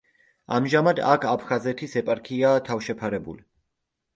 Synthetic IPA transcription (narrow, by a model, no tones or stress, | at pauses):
a̰mʒamad̪a̰kʰapʰχazɛt̪ʰisɛpʼaɾkʰiat̪ʰafʃɛpʰaɾɛbṵli